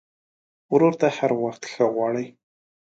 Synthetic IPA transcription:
wɾoɾt̪ahaɾwaxt̪xəɣwɑɽəj

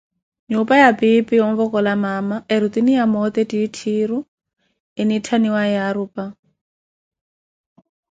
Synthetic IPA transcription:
ɲʊpajapʼɪpɪjɔmbɔkʼɔlamamaɪɾut̪inijamɔt̪ɛditʰiːɾʊ | ɪnitʰaniwaɛaɾʊːpʼa

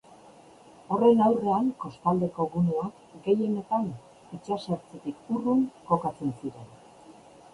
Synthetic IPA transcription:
o̞re̞nawre̞aŋko̞st̪ald̪e̞ko̞ɣunuak | ɡe̞jene̞t̪aŋ | it͡ʃasaɾt͡set̪ik̚uruŋko̞kat͡se̞nsiɾe̞n

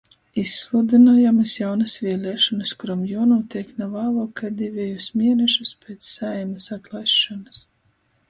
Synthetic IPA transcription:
isːlˠud̪inaːjamɨsjawnɐsvʲiɛlʲɛːʃɔnɨskuɾamjɔɔnuːt̪ʲiɛknavaːlˠɔkad̪ʲivʲɛjusmʲiɛnɛʃuspʲeːt̪sːajmɨsat̪lˠajsːɔnɨs

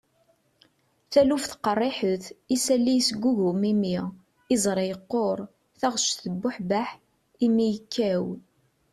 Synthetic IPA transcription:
θælufθqərˤːɪħəθisælːijsɡʷːuʝʊmimiʁ | ɪzˤɾˤejəqːoɾˤ | θæʁʃθəbːʊħbaħ | imijəkːæw

